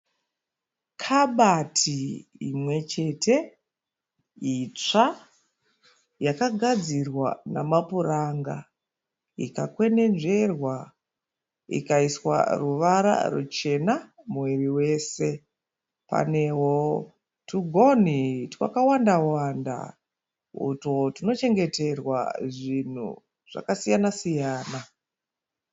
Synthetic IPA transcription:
kʰaɓatʰiimwe̞t͡ʃe̞tʰe̞ | it͡ʂa | jakaɡʱad͡zirwa̰namapuɾaːŋɡa̰ | ḭkakwe̞ne̞nʐe̞rwa | ḭkaiswa̰ruʋaɾa̰rṵt͡ʃe̞na | muwiriwe̞ːse̞ | pa̰ne̞wo | tuɡʱo̞nitwa̰kawandawanda̰ | ṵtotino̞t͡ʃe̞ŋɡe̞te̞rwa̰ʐin̤ṵ | ʐ̥a̰kasijanasijaːna

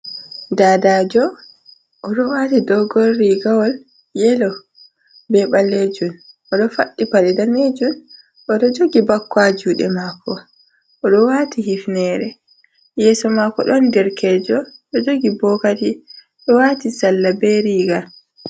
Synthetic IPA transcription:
daːdaːd͡ʒɔ | ʔːɗɔwatidɔɡɔlːiɡawɔl | jɛlɔ | bɛɓaled͡ʒun | ʔɔɗɔfaɗːipaɗɛdaned͡ʒun | ʔɔɗɔd͡ʒoɡibakːwad͡ʒuːɗɛ̰makɔ | ʔɔɗɔwaːtihifnɛɾɛ | jɛːsɔmakːɔ̰ɗɔndɛɾkʰɛːd͡ʒɔɗɔd͡ʒoɡibɔkati | ɗɔwaːtisalːabɛɾiːɡal

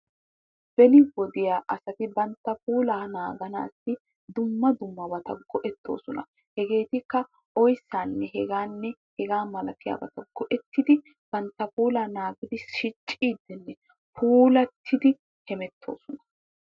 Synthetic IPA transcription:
b̥ɛlɪwɔd̪ɪjaːʔɐsɐt̪ɪbɐnt̪ːɐpuːlaːnaːɡɐna̰ːsːɪ | d̪ʊmːɐd̪ʊmːɐbɐt̪ɐɡɔʔɛt̪ːo̞̰ːsɔnɐ̰ | hɛɡe̞ːt̪ɪkːɐ | ɔjsːaːnːɛɦɛɡaːnːɛhɛɡaːmɐlɐk̪ɪja̰ːbɐt̪ɐɡɔʔɛt̪ːɪd̪ɪ | b̥ɐnt̪ːɐpuːlaːnaːɡɪd̪ɪʃɪt͡ʃʼːiːd̪ːɪnːɛ | pʰuːlɐt̪ʰːɪd̪ɪ | hɛmɛt̪ʰːo̞̰ːsɔnɐ̥

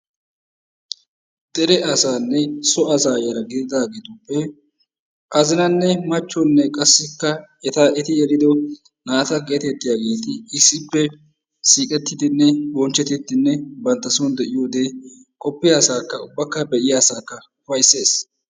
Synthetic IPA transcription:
t̪ʼɛɾɛʔɐsaːnːɛsɔɐsaːjɐɾɐɡɪd̪ɪd̪aːɡeːt̪ʊpːɛ | ʔɐzɪnɐnːɛmɐt͡ʃːɔnːɛkʼɐsːɪkːɐɛt̪aʔɛt̪ɪjɛlɪd̪ɔ | naːt̪ɐɡeːt̪ɛt̪ːɪjaːɡe̞ːt̪ɪɪsːɪpːɛ | siːkʼɛt̪ːɪd̪ɪnːɛbɔnt͡ʃːɛt̪ɪt̪ːɪnːɛbɐnt̪ːɐsund̪ɛʔɪjoːd̪e̞ː | kʼɔpːɪjaːsaːkːɐʊbːɐkːɐbɛʔɪjasaːkːɐ | ʊfɐjsːe̞ːs

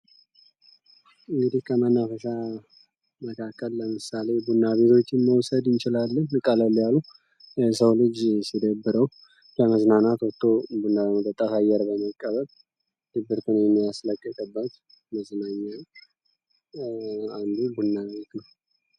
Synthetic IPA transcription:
ɨŋɡɨd̪ihkʰəmənːafəsa | məkʰakːəlːəmɨsale̞bunːaβe̞t̪ʰo̞t͡ʃːɪnməwsəd̪ɪnt͡ʃɪlalːəɲːɨkʼələlːjalu | səwlɨd͡ʒsid̪əbːɨɾəw | kʰəməznanat̪wɔt̪ʰːobunːad̪əmod̪ʼət̪ʼːat̪ajɛɾbəməkʼːəβəl | d̪̥ɨbːɨɾt̪ʰɨnjɛmːijasləkʼːjɛk̪ʰəbːət̪ | məznaɲːal | and̪ubunːaβe̞t̪nəw

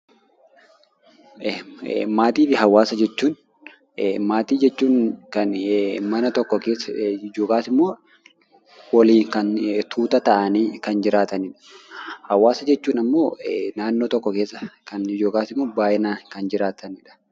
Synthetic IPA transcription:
maːt̪iːfɪɦɐwaːsɐd͡ʒɛt͡ʃːuːn | maːt̪iːd͡ʒɛt͡ʃːuːnkɐnmɐnɐt̪ɔkːɔkeːsːɐɪd͡ʒoːkaːsɪmːoː | wɐliːnkɐnt̪ʰuːt̪ɐt̪ɐʔɐniːkɐnd͡ʒɪɾaːt̪ɐnɪᶑɐ̥hɐwaːsɐd͡ʒɛt͡ʃːuːnɐmːo̞ːnaːnːoːt̪ɔkːɔke̞ːsːɐkɐnɪd͡ʒoːkaːsɪmːoːbaːʔɪnakɐnd͡ʒɪɾaːt̪ʰɐnɪᶑɐ̥

